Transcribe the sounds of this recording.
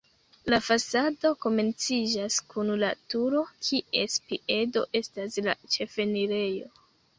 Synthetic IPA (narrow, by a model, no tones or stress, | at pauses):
lafasado̞ko̞me̞nt͡sid͡ʒaskʰunlatuɾo̞kʰie̞spie̞do̞̰ʔe̞stasla̰t͡ʃe̞fe̞niɾe̞jo̞̰